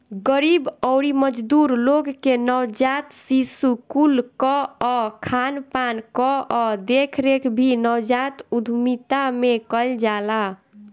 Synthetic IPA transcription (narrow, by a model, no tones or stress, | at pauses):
ɡəɾibɔwɾiməd͡ʒd̪uɾloɡːenəwd͡ʒat̪sisukulkɔɔkʰanpankɔɔd̪ekʰɾekʰbʱinəwd͡ʒat̪ud̪ʱumit̪amekəld͡ʒala